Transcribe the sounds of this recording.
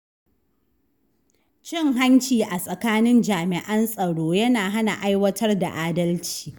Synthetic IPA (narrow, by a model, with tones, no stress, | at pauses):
t͡ʃɪ˦ŋɦa˦nt͡ʃiː˨ʔa˨sʼɐ˨kaː˦nɪ˦nd͡ʒaː˨mɪ˨ʔɐ˦nsʼɐ˨ɽoː˦jɐ˦naː˨ɦa˦na˨ʔa˦jwɐ˦tʰɐ˦rda̰˨ʔaː˦dɐ˦lt͡ʃi̥ː˨